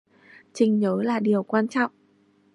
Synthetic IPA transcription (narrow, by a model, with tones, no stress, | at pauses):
t͡ɕï˨˩ŋ̟ɲəː˨˦laː˨˩ɗi˨˩əwkwaː˧nt͡ɕɔ̰˧˨wŋ͡mʔ